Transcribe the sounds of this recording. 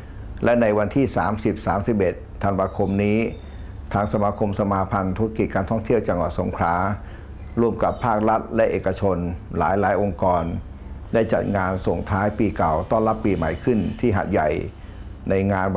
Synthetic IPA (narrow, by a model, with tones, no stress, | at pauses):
lɛ˦˥na˧jwa˧nt̪ʰiː˥˩saː˩˦msi˨˩p̚saː˩˦msi˨˩p̚ʔe˨˩t̪ʰːa˧nwaː˧kʰo˧mniː˦˥ | t̪ʰaː˧ŋsa˧maː˧kʰo˧msa˧maː˧pʰa˧nt̪ʰu˧˥a˧ki˨˩t̪̚kaː˧nt̪ʰɔ˥˩ŋt̪ʰi˥˩əwt͡ɕa˧ŋwa˨˩t̪̚so̰˨˩˦ŋkʰɾaː˦˥ | ɾu˥˩əmka˨˩pʰːaː˥˩k̚la˦˥t̪̚lɛ˦˥ʔeː˨˩kːa˧t͡ɕʰo˧nla̰ː˩˦jlaː˩˦˥jʔo˧ŋkɔː˧n | da˥˩jt͡ɕa̰˨˩t̪̚ŋaː˧nso˨˩ŋt̪ʰaː˦˥jpiː˧ka˨˩wt̪ɔː˥˩nla˦˥pːiː˧ma̰˨˩jkʰɯ˥˩nt̪ʰiː˥˩ɦa̰˨˩t̪̚ja̰˨˩j | na˧jŋaː˧n